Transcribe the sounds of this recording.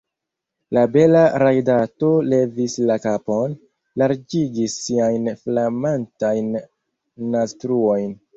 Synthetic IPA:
labe̞laɾajdato̞le̞vislakapon | laɾd͡ʒiɡisːiajnflamantajnː | astɾuo̞jn

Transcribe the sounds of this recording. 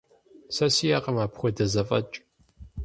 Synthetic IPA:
sɐsijaːqɐmaːpχʷɔdɐzɐfʼɐ̰t͡ʃʼ

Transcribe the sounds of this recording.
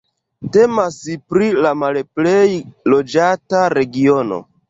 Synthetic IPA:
te̞masipɾilamalple̞jlo̞d͡ʒataɾe̞ɡio̞no̞̰

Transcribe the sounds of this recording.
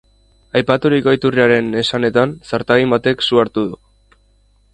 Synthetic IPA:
ajpat̪uɾikoit̪uriaɾe̞ne̞sane̞t̪ansaɾt̪aɣimbat̪e̞ksuaɾt̪uðu

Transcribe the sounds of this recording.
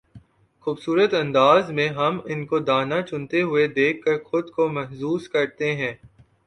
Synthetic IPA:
xuːbsuːɾət̪ɐ̃nd̪aːzmẽɦɐmɪnkod̪aːnat͡ʃʊ̃nt̪eɦʊed̪eːkʰːɐɾxʊd̪komɛɦsuːskɐɾt̪eɦɛ̃ː

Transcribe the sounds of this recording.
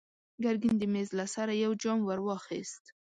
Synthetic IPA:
ɡaɾɡind̪əmezlasaɾajawd͡ʒɑmwaɾwɑxḭst̪

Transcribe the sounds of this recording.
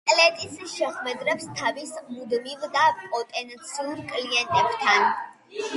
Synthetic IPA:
kʼlɛt̪ʼisʃɛχwɛd̪ɾɛpst̪ʰavismud̪mivd̪aɔt̪ʼɛnt̪sʰiuɾkʼliɛnt̪ʼɛbt̪ʰan

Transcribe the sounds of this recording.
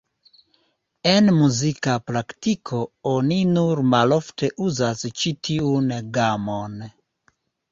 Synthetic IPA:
e̞nmuzikapɾaktikʰo̞o̞ninuɾmalo̞fte̞ʔuzast͡ʃitʰiunɡamo̞n

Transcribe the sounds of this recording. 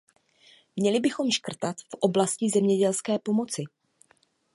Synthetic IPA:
mɲɛlɪbɪxo̞mʃkr̩t̪at̪fʔo̞blascɪzɛmɲɛɟɛlskɛːpo̞mo̞t͡sɪ

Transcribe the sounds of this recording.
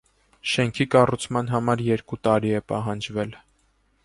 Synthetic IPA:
ʃɛŋkʰikɑrut͡sʰmɑn̪ɦɑmɑɾjɛɾkut̪ɑɾiɛpɑɦɑnd͡ʒvɛl

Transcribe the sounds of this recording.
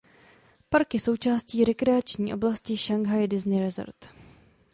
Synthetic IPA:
paɾkɪso̞wt͡ʃaːsciːɾɛkɾɛat͡ʃɲiːʔo̞blascɪʃaŋɡɦajdɪznɪɾɛzo̰ɾt̪

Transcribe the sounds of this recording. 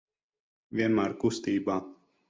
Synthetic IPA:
ʋʲiɛnmæːɾkust̪iːbaː

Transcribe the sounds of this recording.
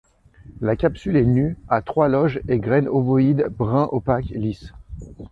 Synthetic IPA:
lakʲapsylɛnyat̪χwalɔʒeɡʁɛnovɔid̪bʁɛ̃ʔopaklis

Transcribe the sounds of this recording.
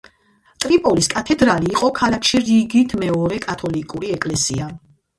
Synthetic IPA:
t̪ʼɾipʼɔliskʼat̪ʰɛd̪ɾaliːqʼɔkʰalakʰʃiɾiɡit̪ʰmɛɔɾɛkʼat̪ʰɔlikʼuɾiɛkʼlɛsḭa

